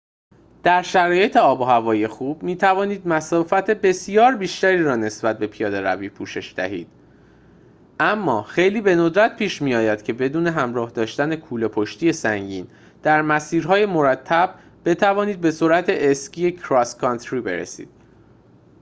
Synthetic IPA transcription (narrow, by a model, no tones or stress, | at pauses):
d̪̥æɾʃæɾɒːje̞t̪ʰeɒːboɦævɒːjijexuːbmiːt̪ʰævɒːniːd̪̚mæsɒːfæt̪ʰe̞be̞sjɒːɾbiːʃt̪æɾiːɾɒːne̞sb̥æt̪̚be̞pʰijɒːd̪e̞ɾæ̰viːpʰuːʃe̞ʃd̪̥æ̰ɦḭːd̪̥̚ | ʔæmːɒːxe̞jliːbe̞no̞d̪ɾæt̪̚pʰiːʃmijɒːjæd̪̥cʰe̞be̞d̪uːne̞ɦæmɾɒːhd̪ɒːʃt̪æne̞kʰuːlepʰoʃt̪iːje̞sæŋɟiːn | d̪̥æɾmæsiːɾɦɒːje̞moɾæt̪ʰːæb̥̚ː | e̞t̪ʰævɒːniːd̪̚be̞suɾæt̪ʰe̞ʔescʰijekʰɾɒskʰɒnt̪ʰɾiːbe̞̰ɾḛsḭːd̪̥